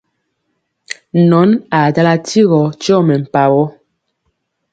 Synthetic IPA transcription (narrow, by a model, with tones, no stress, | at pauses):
nɔ˨˦na˨da˦la˦ti˦ɣɔ˨t͡ʃjɔ˦˨mɛ˨m̩˨pa˨wɔ˦